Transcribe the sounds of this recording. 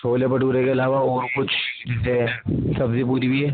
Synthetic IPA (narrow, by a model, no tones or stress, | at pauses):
soːlepɐʈuːɾekeɐlaːʋaɔːɾkʊt͡ʃʰd͡ʒɛːsesɐbzip̬uːɾibʱiɦɛː